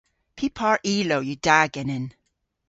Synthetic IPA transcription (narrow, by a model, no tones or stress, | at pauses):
pʰipʰɑɹʔiːloʊjədaɡɛnɪn